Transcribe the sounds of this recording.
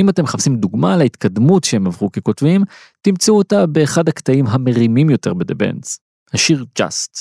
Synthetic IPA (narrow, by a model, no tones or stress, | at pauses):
imat̪e̞mχapsimd̪uɡmalehit̪kʰad̪mutʃehemavʁukeko̞tvim | t̪imt͡seuotabe̞ːχad̪hakt̪aimɦame̞ʁimimjo̞te̞̰ʁbed̪ebḛnz̥ | haʃiʁd͡ʒa̰st̪